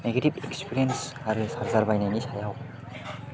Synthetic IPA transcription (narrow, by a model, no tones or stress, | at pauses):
neɡetibekspʰiɾijensaɾɯsaɾzaɾbajnajnisajaw